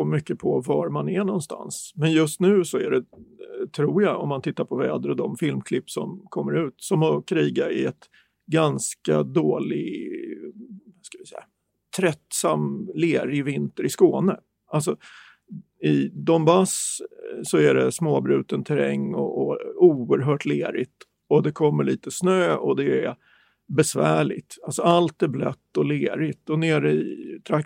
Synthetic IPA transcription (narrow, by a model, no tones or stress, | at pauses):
omʏkːəpʰɔvaɾmanɛɳɔnst̪a̰nsmɛnjɵst̪nʉ̟ːsɔæɖɛt̪ʰɾuːɾjaɔmːant̪ʰɪt̪ːaɾpʰɔvɛːd̪əɾɔd̪ɔmfɪlmkʰlɪpːsɔ̰mkʰɔmːəɾʉ̟ːt̪sɔmɔkʰɾiːɡaɾɪɛt̪ | ɡanska̰d̪oːlɪɡ | skavɪsɛjːa | t̪ʰɾɛt̪ːsamleːɾɪvɪnt̪əɾɪskoːnə | ʔalsɔ | ɪd̪ɔmbassɔæɖɛsmoːbɾʉ̟ːt̪ənt̪ʰɛɾɛ̰ŋːɔ̰ʔːuːəɾɦœːʈleːɾɪt̪ | ɔd̪ɛkʰɔmːəɭiːt̪əsnøːɔd̪ɛæ | bɛsvæːɭɪt̪alsɔalt̪æblœt̪ːɔleːɾɪt̪ɔneːɾəɪt̪ʰɾa